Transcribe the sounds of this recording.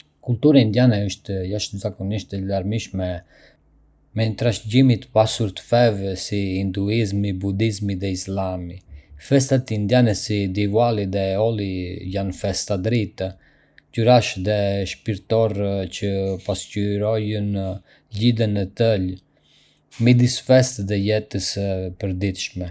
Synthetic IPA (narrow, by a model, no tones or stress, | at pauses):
kult̪uɾand̪janɛəʃt̪jaʃzakɔniʃt̪əlaɾmiʃmɛ | mɛnt̪ɾaʃɟimit̪əpasuɾt̪ə̥fɛvsiind̪uizmibud̪izmiðɛislamifɛst̪at̪ind̪janɛsid̪ivwaliðɛɔlˠijanfɛst̪ad̪ɾit̪a | cuɾaʃðɛʃpiɾt̪ɔɾcəpascyɾɔjən | lid̪ənət̪əl | mid̪isfɛst̪ðɛjɛt̪əspəɾd̪it̪ʃmɛ